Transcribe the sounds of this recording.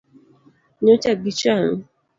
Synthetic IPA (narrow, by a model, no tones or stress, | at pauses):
ɲot͡ʃaɡit͡ʃaŋ̩